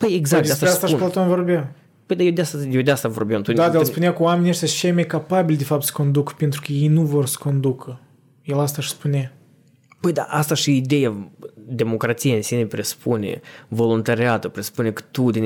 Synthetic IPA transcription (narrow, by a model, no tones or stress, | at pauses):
pəjeɡzakd̪east̪east̪aʃpot̪onvo̞rbʲa | pəjd̪ajewd̪east̪ajewd̪east̪avo̞̰rbʲeamt̪ud̪ad̪aelspuneakuwameniaʃt̪ʲat͡ʃejmajkapabilʲd̪efap̚t̪sə̥ko̞nd̪ukpent̪ɾukəjejnuvo̞rsə̥ko̞nd̪ukʰə | jelas̬t̪aʃspuna | pəjd̪a̰ʔast̪aʃiid̪e̞jad̪e̞mo̞kɾat̪sijaɨnsine̞pɾesu̥punʲḛvo̞lunt̪aɾiat̪əpɾesu̥pune̞kə̥t̪ud̪ʲinʲ